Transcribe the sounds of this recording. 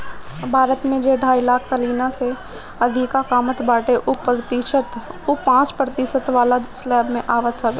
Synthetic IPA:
bʱaːɾət̪mẽd͡ʒeɖʱaːilaːkʰsəliːnase | ɐd̪ʱɪkakaːmət̪baːʈeʔʊpɾt̪iʃət̪ʊpãːt͡ʃpɾət̪ɪsət̪ʋaːlad͡ʒslɛːbmẽʔaːʋət̪t͡ʃʰəʋe

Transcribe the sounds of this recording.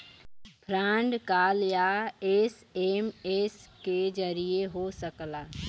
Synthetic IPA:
bʱɾãːɳɖkaːljaeːs | emesked͡ʒəɾijeɦosəklaː

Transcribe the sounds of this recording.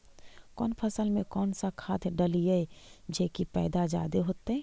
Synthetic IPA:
kɔːnpʰəsəlmẽkɔːnsakʰaːt̪ʰɖəlijeed͡ʒeːkipɛ̰ːd̪ad͡ʒa̰ːd̪eɦoːt̪eɦɛː

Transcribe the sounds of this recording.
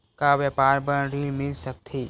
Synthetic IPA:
kaʋjəpaːɾbənɾimɪlsək̚t̪ʰiː

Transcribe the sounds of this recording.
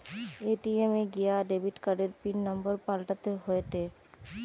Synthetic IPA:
eːʈiemeɡijaɖebiʈkəɖeɾpinːəmbəɾpalʈət̪eɦoet̪e

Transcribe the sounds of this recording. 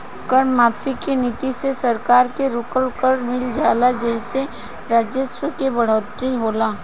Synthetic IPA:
kəɾmːaːfʰikenit̪isesɐɾkaːɾkeɾʊkəlkəɾmɪld͡ʒaːlad͡ʒɛːse | ɾaːd͡ʒjəswəkebɐɽ̤ɔːt̪ɾiɦoːlaː

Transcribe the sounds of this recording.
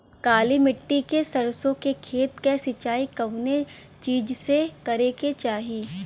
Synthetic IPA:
kaːlimɪʈːikesɐɾsõkekʰeːt̪kesɪt͡ʃaːikɐʋne | t͡ʃiːd͡ʒsekɐɾeket͡ʃaːɦiː

